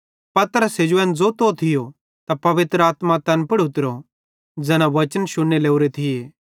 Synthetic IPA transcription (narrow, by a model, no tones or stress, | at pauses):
pɐt̪əɾəsed͡ʒʊɛ̃nd͡zot̪ot̪ʰɪjo | t̪apɐʋɪt̪ɾəaːt̪mãt̪ɛnpɐɽʊt̪ɪɾo | d͡zɛːnãʋɐt͡ʃənʃʊnːeleːuɾet̪ʰɪjeː